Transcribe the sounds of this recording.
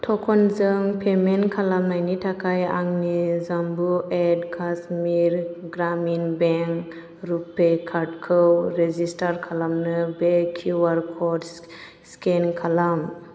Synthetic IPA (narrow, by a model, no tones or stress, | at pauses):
tʰɔkʰɔnzɯŋpʰemenkʰalamnajnitʰakʰaja̰ŋnizambuedkʰasmiɾɡɾaminbeŋ | ɾupːekʰaʈkʰɯwɾezistaɾkʰalamnɯbekʰuwaɾkʰɔds | skenkʰalam